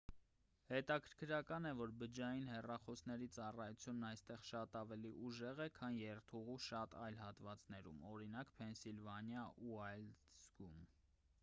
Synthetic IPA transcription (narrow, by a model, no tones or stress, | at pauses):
hɛt̪ɑkʰəɾkʰɾɑkɑnɛvɔɾbəd͡ʒɑjinhɛrɑχɔsnɛɾit͡sɑrɑjut͡sʰjunːɑjst̪ɛʁʃɑt̪ɑvɛliʔuʒɛʁɛkʰɑnjɛɾt̪ʰuʁuʃɑt̪ɑjlhɑt̪vɑt͡sn̪ɛɾṵmɔɾinɑkpʰɛnsilvɑnjɑuɑjlz̥ɡum